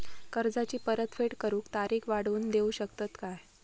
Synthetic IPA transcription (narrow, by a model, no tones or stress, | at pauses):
kəɾd͡zat͡ɕiːpəɾət̪feʈkəɾuːkt̪aɾiːkʰʋaɽ̤uːnd̪euɕək̚t̪ət̪kaj